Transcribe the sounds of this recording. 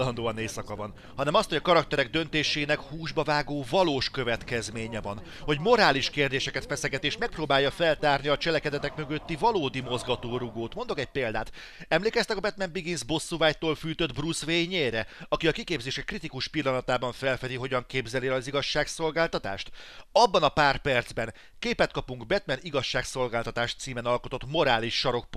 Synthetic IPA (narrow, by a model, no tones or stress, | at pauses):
lɒnd̪oːɒneːsɒkɒvɒn | hɒnɛmɒst̪ho̞ɟɒkɒɾɒkt̪ɛɾɛɡ̚d̪øn̪t̪eːʃeːnɛkhuːʒbɒvaːɡoːvɒloːʃkø̞vɛt̪kɛzmeːɲɛvɒn | ho̞ɟmo̞ɾaːliʃkeːrd̪eːʃɛkɛt̪fɛsɛɡɛt̪eːʃmɛk̚proːbaːjːɒfɛlt̪aːrniɒt͡ʃɛlɛkɛd̪ɛt̪ɛkmø̞ɡø̞t̪ːivɒloːd̪imo̞zɡɒt̪oːɾuɡoːt̪mo̞nd̪o̞kɛc̚peːld̪a̰ːt̪ | ɛmleːkɛst̪ɛkɒbɛt̪mɛmbiɡinzbo̞sːuvaːjt̪oːlfyːt̪ød̪brusveːɲeːɾɛɒkiɒkikeːbzeːʃɛkrit̪ikuʃpilːɒnɒt̪aːbɒɱfɛlfɛd̪iɦo̞ɟɒŋkeːbzɛliɒziɡɒʃːaːkso̞lɡaːlt̪ɒt̪a̰ːʃt̪ɒbːɒnɒpaːrpɛrd̪z̥bɛn | keːpɛt̪̚kɒpuŋɡbɛt̪mɛniɡɒʃːaːkso̞lɡaːlt̪ɒt̪aːʃt̪siːmɛnɒlko̞t̪o̞t̪mo̞ɾaːliʃːɒɾo̞k̚p